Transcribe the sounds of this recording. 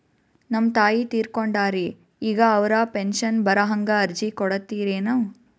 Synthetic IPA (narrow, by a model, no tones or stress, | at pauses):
nɐmːt̪aːjit̪iːɾkoɳɖaːɾi | iːɡɐːʋɐɾaːpenʃɐnbɐɾɐɦɐŋɡɐːɾd͡ʒikɔɽɐt̪ːiːɾeːnɐʋ